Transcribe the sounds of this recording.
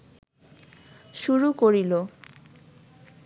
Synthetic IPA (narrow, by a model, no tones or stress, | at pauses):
ʃuɾukoɾilo